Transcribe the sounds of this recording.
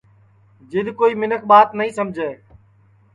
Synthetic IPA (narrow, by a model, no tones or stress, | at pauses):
d͡ʒɪd̪ʱkoːiːmɪnəkʰɓaːt̪nəɦĩːsəmd͡ʒʱeː